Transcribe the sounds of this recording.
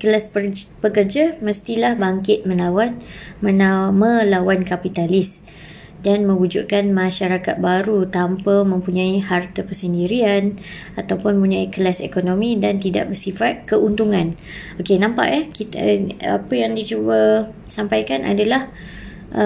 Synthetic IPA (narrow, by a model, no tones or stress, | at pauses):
kəlaspəkərd͡ʒamə̃st̪ilahbaŋkɪt̪̚mə̃nlawanmə̃namə̃lawankapit̪alɪs | danmə̃wud͡ʒṵʔkanmãʃaɾakat̪̚baɾut̪ampamə̃mpuɲãihart̪əpəsəndiɾian | at̪awpʊnməpuɲãikəlasekonõmĩdant̪ida̰ʔ̚bərsifat̪̚kəʔunt̪uŋãn | okenãmpa̰ʔahkit̪əa̰pəjaŋdid͡ʒuba | sampajkanʔa̰dalah | ʔə